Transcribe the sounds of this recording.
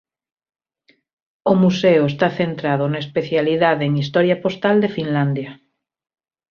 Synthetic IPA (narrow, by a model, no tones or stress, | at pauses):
omuseoest̪aθent̪ɾað̞onaespeθjaliðaðeeŋist̪ɔɾjapost̪ald̪efinland̪ja